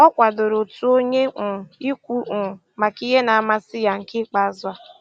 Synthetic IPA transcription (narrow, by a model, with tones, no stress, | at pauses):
ɔ˦kʷa˨do˨ɾo˨tu˦o˦ɲe˦ʊ˨i˦kʷu˦ʔʊ˨ | ma˨ki˦ɦe˦na˨a˦˨ma˦sɪ˦ja˨ŋ̩˨kɪ˦k͡pa˦˨˦za˦